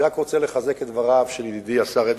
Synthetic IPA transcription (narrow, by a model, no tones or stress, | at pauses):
akʁot͡seleχazeket̪vaʁavʃelid̪id̪iasaʁed̪